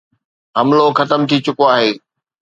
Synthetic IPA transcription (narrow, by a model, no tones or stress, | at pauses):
ɦɐmloxɐt̪əmt̪ʰit͡ɕʊkoaːɦeː